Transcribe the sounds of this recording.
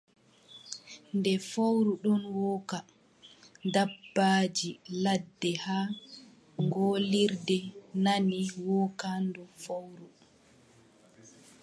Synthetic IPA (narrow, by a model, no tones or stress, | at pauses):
ndɛfawɾuɗɔnwɔːka | dabːaːd͡ʒiladːɛhaː | ŋɡoliɾdɛnaniwɔkandɔfawɾu